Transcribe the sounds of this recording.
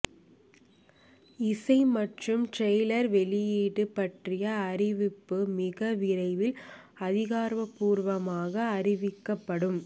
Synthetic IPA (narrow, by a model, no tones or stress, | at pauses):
ɪsɐɪmɐʈrɯmʈrɛjlɐɾʋɛɭɪjiːɽɯpːɐʈrɪjɐːɾɪʋɪpːɯmɪɣɐʋɪɾɐɪʋɪl | ɐðɪɣaːɾʋɐpːuːɾʋɐmaːɣɐːrɪʋɪkːɐpːɐɽɯm